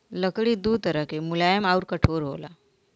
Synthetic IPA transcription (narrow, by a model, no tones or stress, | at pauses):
ləkɽiːd̪uːt̪əɾəkemulajəmauɾkəʈʰoɾɦo̰la